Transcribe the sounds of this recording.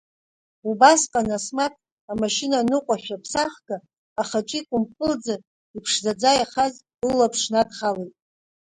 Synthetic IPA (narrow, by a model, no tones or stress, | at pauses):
ubasqʼanasmatʰʼ | amaʃɪnanɨqʷʼaħᶣapʰsaχɡ̥aː | χaʈ͡ʂʷʼikʷʼʊmkʼɨld͡za | ipʰʂzad͡zajaχaz | lːapʰʂnadχalejtʼ